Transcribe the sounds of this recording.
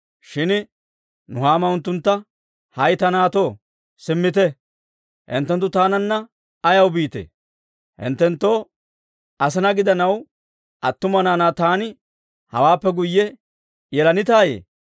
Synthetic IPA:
ʃɪn | nʊhaːmɐʊnt̪ːʊnt̪ːɐ | hɐjt̪ɐnaːt̪oː | sɪmːɪt̪ɛ | hɪ̰nt̪ːɛnt̪ːʊt̪aːnɐnːɐ | ɐjɐwbiːt̪ḛː | hɪ̰nt̪ːɛnt̪ːoː | ɐs̬ɛnɐɡɪd̪ɐnɐw | ʔɐt̪ːʊmɐnaːnaːt̪aːnɪ | hɐ̰waːpːɛɡʊjːɛ | jɛlɐnɪt̪aːjḛː

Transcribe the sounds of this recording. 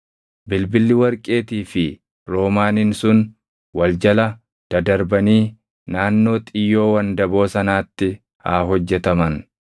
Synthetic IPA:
bɪlbɪlːɪwɐɾkʼe̞ːt̪iːfɪ | ɾo̞ːmaːnɪnsʊn | wɐld͡ʒɐlɐ | d̪̥ɐd̪ɐɾbɐniː | naːnːo̞ːt̪ʼɪjːo̞ːwɐnd̪ɐbo̞ːsɐnaːt̪ːɪ | ha̰ːɦɔd͡ʒːɛt̪ɐmɐn

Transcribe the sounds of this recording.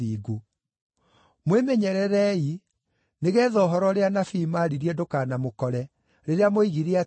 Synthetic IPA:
iːɡo | mwemɛɲɛɾɛɾɛi | neɣɛðɔɦɔɾɔɾeanafiːmaɾiɾiɛdokaːnamokɔɾɛ | ɾeɾeamoiɣiɾea

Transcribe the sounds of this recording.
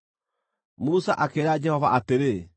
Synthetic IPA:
musaʔakeɾad͡ʒɛhɔvaʔateɾe

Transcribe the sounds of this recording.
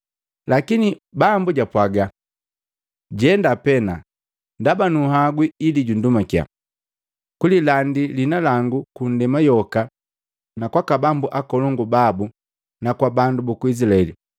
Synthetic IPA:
lakinibambuɟapwaɡa | ɟɛndapɛna | ndabanuhaɡwiiliɟundumakja̰ | kulilandilinalaŋɡukun̩dɛmajɔka | nakwakabambuʔakɔlɔŋɡubabu | nakwabandubukuis̬ilaɛli

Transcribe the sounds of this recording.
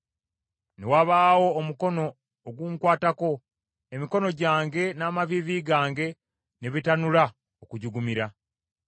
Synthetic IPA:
ne̞waβaːwo̞ːmuko̞no̞ː | ɡuːŋkwaːtako̞ | emiko̞no̞ɟaːŋɡe̞naːmaviviɡaːŋɡe̞ | neβitanula | okuɟuɡumiɾa

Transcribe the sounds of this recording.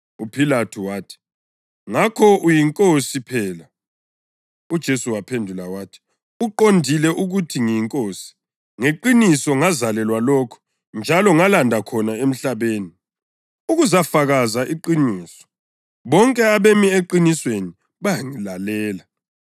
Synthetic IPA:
upʰilatʰuwaːtʰi̥ | ŋakʰɔʔujiŋkʼosipʰɛːla | ud̥ʒ̥ʱesuwapʰendʱulawaːtʰi̥ | uǃondʱilɛʔuɣutʰiŋijiŋkʼosi̥ | ŋeǃinisɔŋazalɛlwalɔkʰɔ̥ | nd͡ʒʱalɔŋalandʱakʰɔnaem̩ɬaβeːni | uɣuzafaɣazaʔiǃiniːsɔ̥ | βɔŋkʼɛaβemieǃinisweni | βaŋilalɛːla

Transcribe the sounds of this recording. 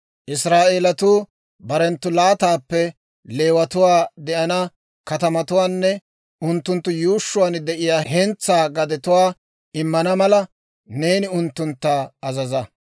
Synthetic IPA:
ʔɪsɾaːʔeːlɐt̪uː | bɐɾɛnt̪ːʊlaːt̪aːpːɛ | le̞ːwɐt̪ʊwaːd̪ɛʔɐnɐ | kɐt̪ɐmɐt̪ʊwaːnːɛ | ʊnt̪ːʊnt̪ːʊjuːʃːʊwaːnd̪ɛʔɪjaːɦɛnt͡sːaːɡɐd̪ɛt̪ʊwaː | ɪmːɐnɐmɐlɐ | ne̞ːnɪʊnt̪ːʊnt̪ːaːɐzɐzɐ

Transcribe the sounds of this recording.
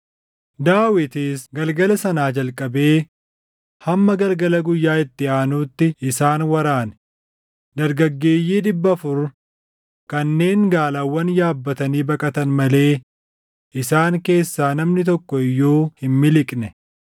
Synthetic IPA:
d̪aːwɪt̪ɪsɡɐlɡɐlɐsɐnaːd͡ʒɐlkʼɐbe̞ː | hɐmːɐɡɐlɡɐlɐɡʊjːaːɪt̪ːɪaːnuːt̪ːɪɪsaːnwɐɾaːn | d̪ɐɾɡɐɡːe̞ːjːiːd̪ɪbːɐfʊɾ | kɐnːe̞ːŋɡaːlaːwːɐnjaːbːɐt̪ɐniːbɐkʼɐt̪ɐnmɐle̞ː | ʔɪsaːŋke̞ːsːaːnɐmnɪt̪̬ɔkːɔɪjːoːhɪmmɪlɪkʼnɛ

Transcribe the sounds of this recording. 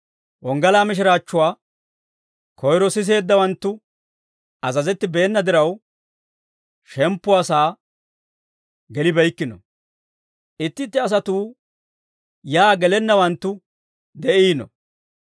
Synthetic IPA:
wɔŋɡɐlaːmɪʃɪɾaːt͡ʃːʊwaː | kʰɔjɾɔsɪs̬e̞ːd̪ːɐwɐnt̪ːʊ | ʔɐzɐzɛt̪ːɪbe̞ːnːɐd̪ɪɾɐw | ʃɛmpːʊɐsaː | ɡɛlɪbɛjkːɪnɔ̰ | ʔɪt̪ːɪt̪ːɪɐs̬ɐt̪uː | jaːɡɛlɛnːɐwɐnt̪ːʊ | d̪ɛʔiːnɔ̰

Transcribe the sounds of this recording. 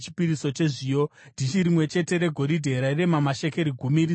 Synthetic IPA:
t͡ʃi̥piɾiso̞t͡ʃe̞ʐiːjo | ndit͡ʃiɾimwe̞t͡ʃe̞te̞ɾe̞ɡʱo̞ɾidʱe̞ɾaire̞mamaʃe̞ke̞ɾiɡʱumiɾi

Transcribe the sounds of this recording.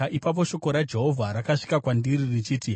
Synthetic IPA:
ʔipap̬o̞ʃo̞ko̞ɾad͡ʒe̞ɦo̞vʱaɾakaʂi̥kakwandiririt͡ʃiːti

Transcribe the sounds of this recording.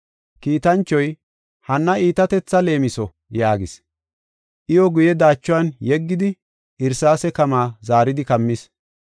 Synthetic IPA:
kiːt̪ɐnt͡ʃːɔj | hɐnːɐiːt̪ɐt̪ɛt͡sːɐle̞ːmɪsɔ | jaːɡɪs | ʔɪjɔɡʊjɛd̪aːt͡ʃːʊwɐnjɛɡːɪd̪ɪ | ʔɪɾsaːsɛkɐmaːzaːɾɪd̪ɪkɐmːɪs

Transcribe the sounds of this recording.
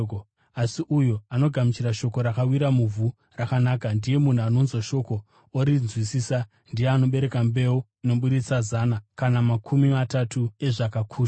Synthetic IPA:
asiʔujoano̞ɡʱamit͡ʃiɾaʃo̞ko̞ɾakawiɾamuvʱu | rakanaːkandije̞mun̤uano̞nzoʃo̞ko̞ | oɾizwisiːsa | ndijeano̞ɓe̞ɾe̞kambe̞woino̞ɓuɾit͡sazaːnakanamakʰumimatatʰue̞ʐakakʰuːʃa

